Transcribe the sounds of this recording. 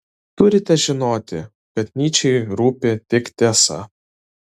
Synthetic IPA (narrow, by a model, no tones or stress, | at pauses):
t̪ʊɾʲɪt̪ʲɛʒʲɪnoːt̪ʲɪ | kʲɐt̪ʲnʲiːt͡ʃʲɛɪɾuːpʲet̪ʲɪkt̪ʲeːsɐ̰